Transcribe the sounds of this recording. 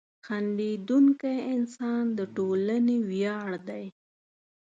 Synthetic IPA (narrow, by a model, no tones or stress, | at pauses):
xaɳɖed̪uŋkajɪnsɑnd̪əʈolanewjɑɽd̪aj